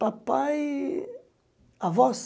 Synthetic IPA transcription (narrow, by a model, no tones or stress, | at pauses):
papaj | avɔs